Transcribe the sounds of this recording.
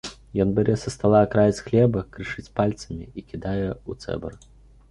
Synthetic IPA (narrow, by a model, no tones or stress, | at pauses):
jɔnbʲɛɾʲɛsɐst̪alˠaːkɾajɐt͡sʲxlʲɛbɐkɾɨʂɨt͡sʲpalʲt̪sɐmʲiikʲid̪ajɛut̪sɛ̰bɐ̰r